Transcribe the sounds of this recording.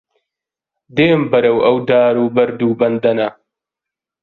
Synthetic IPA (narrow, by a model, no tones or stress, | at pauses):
d̪eːmbɐɾɐwɐwd̪aːɾuːbɐɾd̪uːbɐnd̪ɐna